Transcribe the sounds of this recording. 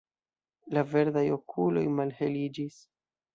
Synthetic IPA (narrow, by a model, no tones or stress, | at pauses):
lave̞ɾd̪ajo̞kʰulo̞̰jmalhelid͡ʒis